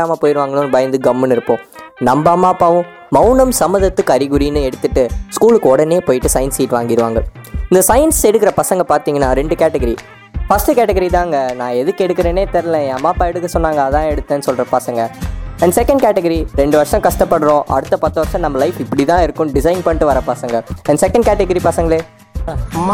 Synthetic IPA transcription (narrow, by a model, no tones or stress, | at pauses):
aːmɐpoːjɪɾɯʋaːŋɡɐɭɯ̃bɐjɐnd̪ɯɡɐmːɐnɪɾɯpːõː | nɐmbɐɐmːaːpːaːʋɯ̃ | mɐʊnɐmsɐmːɐðɐt̪ːɯkːɐɾɪɣɯɾinɯɛɽɯt̪ːɯʈːɯskuːɭɯkːɔɽɐneːpoːjɪʈːɯsɐɪɐnsɛjɪʈːʋaːŋɡɪɾɯʋa̰ːŋɡɐɪnd̪ɐsɐjɐnsɛɽɯk̬ːɪɾɐpɐsɐŋɡɐpaːɾt̪iːŋɡɐnːaːɾɛɳɖɯkaːʈɐɡɐɾi | fɐsʈɯkaːʈːɐɡɐɾit̪ãːŋɡɐnãːɛðɯkːɛɽɯkːɪɾeːneːt̪ɛɾɐlɛ̃ẽɐmaːpaːɛɽɯkːɐsɔnːaːŋɡɐðãːɛɽɯt̪ːɐnːɯsɔlɾɐpɐsɐŋɡɐɛnsɛkɐ̃ɳɖ̚kaːʈɐɡɐɾiɾɛɳɖɯʋɐɾʂɐ̃kɐʂʈɐpːɐɽɯɾõːʔɐ̰ɽɯt̪ːɐpɐːɾt̪ːɐʋɐɾʂɐ̃nɐmːɐlɐɪfɪpːɐɽit̪ãːɪɾɯkːʊ̃ɖɪsɐɪnpɐɳʈːɯʋɐɾɐpɐsɐŋɡɐɛnɐsɛkːɐɳɖkaːʈɛɡɐɾipɐsɐŋɡɐɭeː